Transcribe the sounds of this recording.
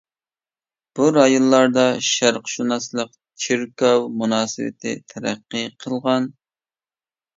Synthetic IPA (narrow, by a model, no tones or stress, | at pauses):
b̥uɾɑjonˠːɑɾd̪ɑʃæɾqʃunɑslˠəq | t͡ʃʰiɾkɑwmunɑːsɨ̰wɪ̰t̪ʰɪ̰t̪ʰɛɾæ̰qːəqʰəlˠʁɑn